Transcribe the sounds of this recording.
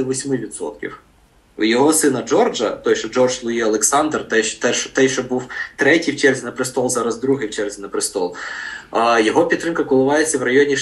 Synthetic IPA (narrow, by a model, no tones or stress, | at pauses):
ɪʋɔsʲmɪʋʲid̪sɔ̰t̪kʲḭw | jɔɦɔsɪnɐd͡ʒɔrd͡ʒɐt̪ɔjʃɔd͡ʒɔrʒslˠʊjiɐlˠeksɑnd̪rt̪ɛt̪ɛʃt̪ɛjʃɔbuwt̪ɾɛtʲijwt͡ʃɛrzʲinɐpɾɪst̪ɔlˠzɑɾɐzd̪ɾuɦɪjwt͡ʃɛrzʲinɐpɾɪst̪ɔlˠ | jɔɦɔpʲid̪t̪ːɾɪmkɐkʊlˠʊʋɑjet͡sʲːɐwrɐjɔnʲi